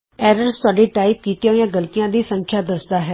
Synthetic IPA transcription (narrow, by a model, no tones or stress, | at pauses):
ɛːɾəɾst̪ʊaːɖeːʈaːɪp̚kiːt̪jaːijãːɡəlt̪ijãːd̪iːsəŋkʰjaːd̪əsd̪aːɦɛː